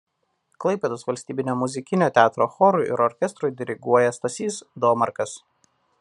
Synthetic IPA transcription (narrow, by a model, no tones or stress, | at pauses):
klˠɐɪpʲeːd̪oːsʋɐlʲsʲt̪ʲiːbʲɪnʲoːmʊzʲɪkʲɪnʲoːt̪ʲæːt̪ɾoːxɔɾʊʔɪ̰ɾɔɾʲkʲɛst̪ɾʊjd̪ʲɪɾʲɪɡuɔjɛst̪ɐsʲiːsd̪ɔːmɐɾkɐs